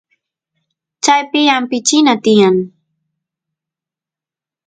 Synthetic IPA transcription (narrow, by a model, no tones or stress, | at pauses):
t͡ʃajpɪampɪt͡ʃɪnat̪ɪjaŋ